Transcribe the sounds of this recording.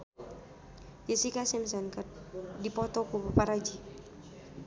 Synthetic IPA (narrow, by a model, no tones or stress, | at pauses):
jəsikasɛmsɛnkərdipɔt̪ɔkupapaɾad͡ʒi